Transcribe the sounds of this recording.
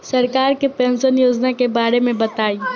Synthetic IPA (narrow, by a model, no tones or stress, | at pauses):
sɐɾkaːɾkepɛ̃ːnsənjoːd͡ʒnakebaːɾemẽbɐt̪aːiː